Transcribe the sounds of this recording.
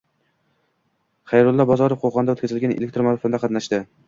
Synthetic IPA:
χɑjɾʊlˠːɒbɒzɒɾofqʰoqʰɒnd̪aot̪kʲazɪlɡʲanʔḛlek̚ʲt̪ɾomafond̪aqʰɑt̪naʃd̪ɪ

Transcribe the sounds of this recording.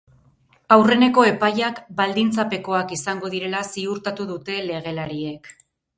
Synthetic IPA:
awre̞ne̞ko̞e̞pajakbald̪int͡sape̞ko̞akisaŋɡo̞ðiɾe̞lasiuɾt̪at̪uðut̪e̞le̞ɣ̞e̞laɾie̞k

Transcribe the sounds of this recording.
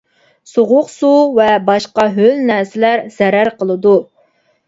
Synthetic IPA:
soʁʊqsuvɛbɑʃqɑɦølnæɾsɪlæɾz̥ɛɾæɾqʰəlˠɨd̪u

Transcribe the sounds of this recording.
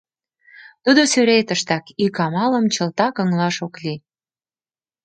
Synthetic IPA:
t̪ud̪osyɾet̪əʃt̪ɑkikɑmɑlə̆mt͡ɕə̆lt̪ɑkə̆ŋlɑʃokli

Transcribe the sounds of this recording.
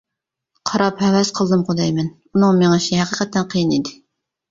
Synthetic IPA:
qʰɑɾɑphɛwɛsqʰəlˠd̪ɨmqod̪ɛjmɛn | unɨŋmeŋɛʃʰhæqʰiqɛt̪ʰːɛnqʰijinid̪ɪ

